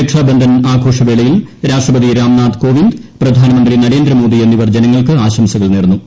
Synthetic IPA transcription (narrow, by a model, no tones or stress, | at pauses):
ekʂaːbɐnd̪ʱɐnaːɡʱo̞ːʂɐʋe̞ːɭɐjilɾaːʂʈrɐbɐðiɾaːmnaːd̪ko̞ːʋind̪prɐd̪ʱaːnɐmɐnd̪rɾinɐɾeːnd̪ɾɐmoːd̪ienːiʋɐrd͡ʑe̞nɐŋːɐɭkɨaːɕɐmsɐɣɐɭneːrnːu